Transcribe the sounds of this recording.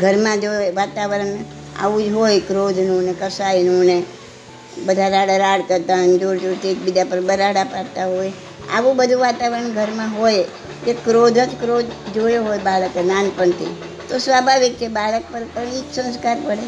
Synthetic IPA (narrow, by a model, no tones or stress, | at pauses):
ɡʱəɾmãd͡ʒoeʋat̪aʋəɾəɳ | a̰ʋũd͡ʒɦojkɾod̪ʱnũnekəsajinune | bəd̪ʱaɾaɽaɾaɽkəɾt̪aɦond͡ʒoɾd͡ʒuɾt̪ʰiek̚bid̪apəɾbəɾaɽapaɾt̪aɦoj | a̰ʋũbəd̪ʱũʋat̪aʋəɾəɳɡʱəɾmãɦoj | d͡ʒekɾod̪ʱət̪kɾod̪d͡ʒoeɦojbaɭəkenanpəɳt̪ʰḭ | t̪osʋabʱaʋik̚t͡ʃʰebaɭək̚pəɾpəɳiksə̃nskaɾpəɽe